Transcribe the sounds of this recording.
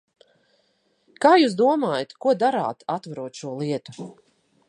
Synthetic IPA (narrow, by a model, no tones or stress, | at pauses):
kaːjuːs̬d̪uɔmaːjat̪kuɔd̪aɾa̰ːt̪at̪vaɾuɔt̪ʃuɔlˠiɛt̪u̥